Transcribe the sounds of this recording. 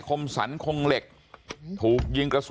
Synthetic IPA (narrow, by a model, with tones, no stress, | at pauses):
kʰo˧msa˩˦nkʰo˧ŋle˨˩k̚ | t̪ʰuː˨˩k̚jɯ˧ŋkɾa˧s